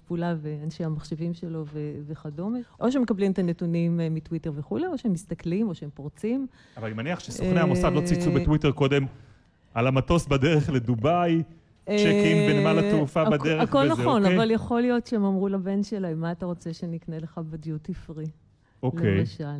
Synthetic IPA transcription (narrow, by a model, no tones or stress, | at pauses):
pulaveanʃeamaχʃevimʃelo̞veveχadomeʔo̞ʃeemekablimt̪anetunimːitwiteʁveχuleoʃeemːist̪aklimo̞ʃeempoʁt͡sim | avalanimaniaχʃesoχnehamosavlo̞t͡sit͡subetwiteʁko̞d̪e̞m | ʔalamatosbadeʁeχledubaj | t͡ʃekimbenmalatufabadkeʁeakolnao̞naavvaljaχo̞lijo̞tʃeemamʁulabe̞nʃelajmaːtaʁo̞t͡se̞ʃenikneleχabediutifʁi | olkeejmaʃal